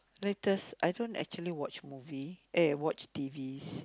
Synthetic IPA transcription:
letəsajdõntɛ̰k̚t͡ʃuəliwɔt͡ʃmuviʔewɔt͡ʃtivis

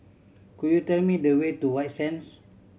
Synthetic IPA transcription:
kujutɛlmidəwetuwajtsɛ̃ns

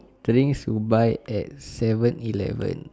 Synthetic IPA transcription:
tɾĩŋsubajɛt̚sɛvə̃nilɛ̰və̰̃n

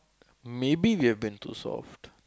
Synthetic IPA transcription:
meːbiʋiɛʋbĩnt̪ʰṵːsɔ̰ːfʈ

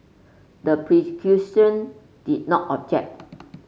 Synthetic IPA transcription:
dəpɹikʰjusə̃n | d̥id̚nɔtɔb̚d͡ʒɛ̰k̚t̚

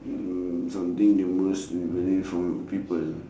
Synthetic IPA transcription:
sãmt̪ĩŋdiməsdipɛ̃nĩnfɹɔ̃mpipəl

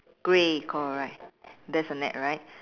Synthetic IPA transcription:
ɡ̥ɹekʰɔɹaɪt̚dɛsənɛ̰t̚ɹaɪt̚

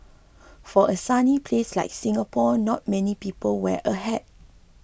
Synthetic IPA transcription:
fɔʔəsanipʰleslaɪk̚sĩŋapʰɔnɔt̚mɛ̃nipipəlwɛʔəɦɛt̚

